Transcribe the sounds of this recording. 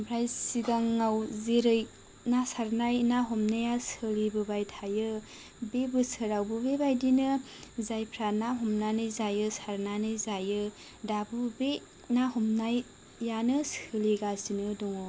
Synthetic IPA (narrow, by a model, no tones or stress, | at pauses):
pʰɾajsiɡaŋːawzeɾɯj | nasaɾnajnaɦɔmnajasɯlibɯbajtʰajɯ | bebɯsɯɾawbɯbebajdinɯ | zajpʰɾanaɦɔmnanɯjzajɯsaɾnanɯzajɯ | dabɯbe | nahɔmnajː | anɯsɯliɡazinɯdɔŋɔ